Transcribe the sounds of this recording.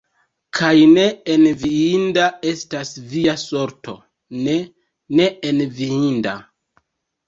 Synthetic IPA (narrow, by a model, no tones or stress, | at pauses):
kʰajne̞enviindae̞stasviaso̞ɾto̞̰ | ne | ne̞enviinda̰